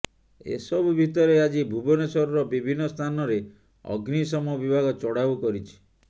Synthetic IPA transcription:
ḛsɔbubʱit̪ɔɾead͡ʒibʱubɔnesɔɾɔɾɔbibʱinːɔst̪ʰanɔɾe | ɔ̰ɡnisɔmɔɔbibʱaɡɔt͡ʃɔɽabukɔɾit͡ʃʰi̥

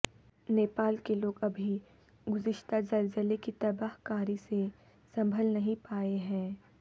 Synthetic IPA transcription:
neːpaːlkeloːɡɐbʱi | ɡʊzɪʃt̪ʰazɐɾzəlekit̪ɐbaːɦkaːɾise | sɐ̃mbʱəlnɐɦĩpaːeɦɛ̃ː

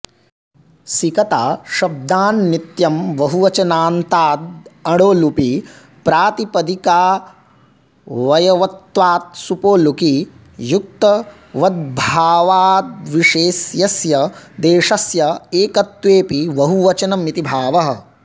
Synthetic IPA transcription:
sikɐt̪aːʃɐb̚d̪aːnːit̪jɐmʋɐɦuʋɐt͡ʃɐnaːnt̪aːd̪ɐɽoːlupi | pɾaːt̪ipɐd̪ikaː | ʋɐjɐʋɐt̪ʋaːt̪̚supoːluki | juk̚t̪ɐ | ʋɐd̪̚bʱaːʋaːt̪̚ʋiʂeːsjɐsjɐd̪eːʂɐsjɐeːkɐt̪ʋeːpiʋɐɦuʋɐt͡ʃɐnɐmːit̪ibʱaːʋɐɦɐ̆

